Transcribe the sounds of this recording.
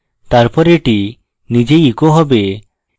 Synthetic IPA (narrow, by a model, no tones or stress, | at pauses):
t̪aɾpɔɾeʈi | nid͡ʒeikɔɦɔbe